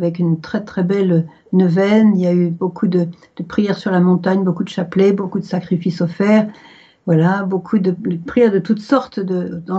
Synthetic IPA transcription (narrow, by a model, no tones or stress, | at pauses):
vɛkynt̪χɛt̪χɛbɛlø | nəvɛniljaybokʰud̪ə | d̪̥əpχijɛʁsyʁlamɔ̃t̪aɲbokud̪əʃaplebokud̪əsakχifisɔfɛʁ | vwalabokʰud̪əd̪əpχijɛʁd̪ət̪ut̪sɔʁt̪d̪əd̪ɑ̃